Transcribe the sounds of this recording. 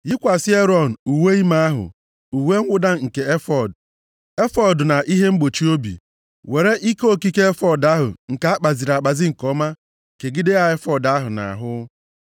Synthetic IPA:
jɪ˦kʷa˨sɪ˦e˦ɾɔ˦˨n̩˨u˨we˦i˦ma˦a˦ɦʊ̰˨ | u˨we˦ŋ̩˦ɡʷʊ˦da˦ŋ̩˨ke˨e˦fɔ˨d | e˦fɔ˦dna˨ʔi˦ɦe˦ŋ͡m̩˦ɡ͡bo˨t͡ʃi˦o˦bḭ˨ | we˨ɾe˦ʔi˦ko˦ki˦ke˦e˦fɔ˦˨da˦ɦʊ̰˨ŋ̩˨ka˨˦a˦k͡pa˨zi˨ɾa˨k͡pa˨zi˦ŋ̩˨kɔ˦ma˦ | ke˨ɡɪ˦dɪ˦a˨e˦fɔ˨da˦ɦʊ˨na̰˨a̰˨ɦʊ˦

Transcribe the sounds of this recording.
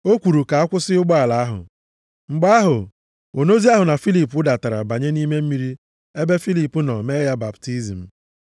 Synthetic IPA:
o˦kʷu˨ɾu˨ka˨a˦kʷʊ˦sɪ˦ʊ˦ɡ͡bɔ˦a˨la˨a˦ɦʊ̰˨ | ŋ͡m̩˨ɡ͡ba˦a˦ɦʊ˨ | o˨no˦zi˦a˦ɦʊ˨na˨fi˦li˨p̬ʊ˦da˨ta˨ɾa̰˨ba˨ɲe˦ni˦me˦m̩˦mi˦ɾi˦ | e˦be˦fi˦li˨pu˦nɔ˨me˦ja˦ba˨pti˦zi˨m̩˨

